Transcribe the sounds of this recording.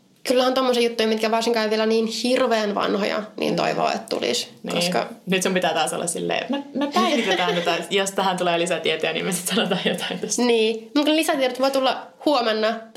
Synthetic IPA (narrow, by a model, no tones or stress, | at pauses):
kylːæhænt̪omːosiːjut̪ːuimit̪kæʋɑrsiŋkɑːeʋielæniːnhirʋeːnʋɑ̰nho̰jɑ̰nḭːnt̪o̰iʋo̰ːḛt̪t̪ṵlḭsnkoskɑ̰nyt̪sumpit̪æːt̪ɑːso̰lːɑ̰ssilːḛːmemepæiit̪et̪æːt̪ot̪ɑjost̪æhænt̪uleːlisæt̪iɛt̪øænḭːmæsi̥t̪sɑnot̪ɑːjjot̪ɑ̥int̪o̥sniːmut̪knelisæt̪ieɾot̪ʋoit̪ulːɑ | huomenːɑ